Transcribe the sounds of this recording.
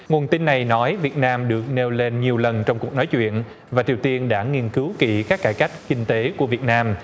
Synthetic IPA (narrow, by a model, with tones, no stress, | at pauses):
ŋu˨˩ənt̪i˧nːa˨˩jnɔ˨˦jvi˨˩ət̚naː˧mɗɨ˨˩ək̚ne˧wle˧nɲi˨˩əwlə˨˩nt͡ɕɔ˧wŋ͡mku˨˩ək̚nɔ˨˦jt͡ɕwḭ˧˨ən | vaː˨˩t͡ɕi˨˩əwt̪i˧ənɗa̰ː˧˥˩ŋi˧ənkɨ˨˦wkḭ˧˩kaː˦˥k̚ːaː˧˩jka˦˥jk̟̚kï˧ŋ̟t̪e˨˦ku˧˩əvi˨˩ət̚naː˧m